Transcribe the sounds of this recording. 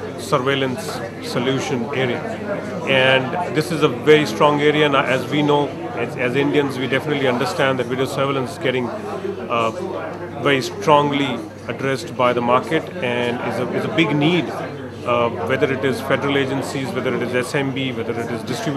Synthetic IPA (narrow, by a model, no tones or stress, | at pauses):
səɾʋeːlə̃nsː | oljuːʃə̃neːɾia̰ | ɛ̃ɳd̪ɪsɪzəʋɛɾisʈɾɔ̃ŋɡeːɾianaʔɛzʋinoː | ɛzɪ̃ɳɖiə̃nzʋiːɖɛfɪnəʈliɐ̃ɳɖəɾsʈæ̃nɖdd̪ɛʈʋɪɖiosəɾʋɪlə̃nsɪzɡɛʈɪ̃ŋ | ʋɛɾisʈɾɔ̃ŋli | əɖɾɛsʈbaɪd̪əmaːɾkeʈɛ̃ɳɖɪ̰zəɪzəbɪɡniːɖ | ʋɛd̪əɾɪʈɪzfɛɖəɾəleːd͡ʒə̃nsizʋɛd̪əɾɪʈɪzɛsɛ̃mbiʋɛd̪əɾɪʈɪzɖɪsʈɾɪbj